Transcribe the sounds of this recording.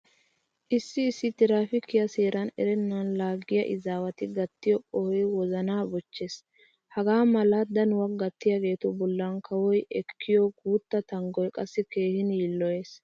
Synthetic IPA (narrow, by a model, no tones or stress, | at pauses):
ʔɪsːɪːsːɪt̪ɪɾaːfɪkːɪjɐseːɾɐnɛ̰ɾɛnːɐnlaːɡːɪjɐ̰ʔɪzaːwɐt̪ɪɡɐt̪ːɪjɔʔʼɔhɔjwɔzɐnaːbɔt͡ʃːeːs | hɐɡaːmɐlɐd̪ɐnʊwɐɡɐt̪ːɪjaːɡe̞ːt̪ɔbɔlːɐnkʰɐwɔjʔɛkːɪjɔɡuːt̪ːɐt̪ɐŋɡɔjkʼɐsːɪkeːhɪnjiːlːɔje̞ːs